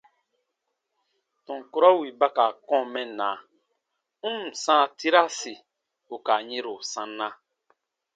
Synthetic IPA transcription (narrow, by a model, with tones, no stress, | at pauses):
tɔ̃˨ŋ˨ku˦ɾɔ˦wi˨ba˦ka˨kɔ̃˦˨mɛ˦nã˨˦ | ũ˦m˨sã˦˨ti˦ɾa˦si˨ | o˨ka˨ɲe˦ɾo˨sã˦nːã˦